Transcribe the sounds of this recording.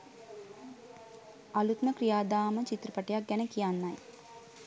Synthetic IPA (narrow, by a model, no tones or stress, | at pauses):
ɐlut̪məkɾijaːd̪aːmət͡ʃit̪ɾɐpəʈejak̚ɡɛnəkijanːaj